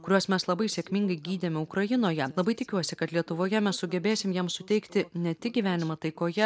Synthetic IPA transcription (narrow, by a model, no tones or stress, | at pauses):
kʊɾʲuɔsmʲɛslˠɐbɐɪsʲeːkʲmʲiŋɡɐɪɡʲiːd̪ʲemʲɛʊkɾɐjɪnoːjɛlˠɐbɐɪt̪ʲɪkʲuɔsʲɪkɐt̪lʲiɛt̪ʊʋoːjɛmʲɛssʊɡʲɛbʲeːsʲɪmjɛmsʊt̪ʲɛɪkt̪ʲɪnʲɛt̪ʲɪɡʲiːʋʲæːnʲɪmɐt̪ɐɪkoːjɛ